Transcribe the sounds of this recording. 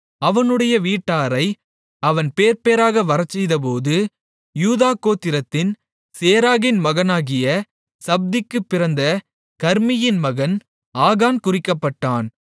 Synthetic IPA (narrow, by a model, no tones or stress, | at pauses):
ɐʋɐnɯɽɐjɐʋiːʈːaːɾɐɪ | ɐʋɐnpeːɾpeːɾaːɣɐʋɐɾɐt͡ʃːɛjðɐp̬oːðɯ | juːðaːkoːt̪ːɪɾɐt̪ːɪn | seːɾaːɣɪnmɐɣɐnaːɣɪjɐ | sɐb̚d̪ɪkːɯpːɪɾɐnd̪ɐ | kɐɾmɪjɪnmɐɣɐn | aːɣaːnkʊrɪkːɐpːɐʈːaːn